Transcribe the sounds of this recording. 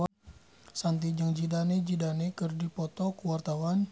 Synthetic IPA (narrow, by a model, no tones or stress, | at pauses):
sant̪̬id͡ʒəŋd͡ʒidaned͡ʒidanekərdipɔt̪ɔkuwart̪awan